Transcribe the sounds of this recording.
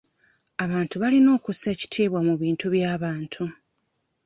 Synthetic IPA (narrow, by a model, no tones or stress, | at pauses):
aβaːntuβalino̞ːkuse̞ːci̥tʰiːβwamuβiːntuβjaːβaːntʰu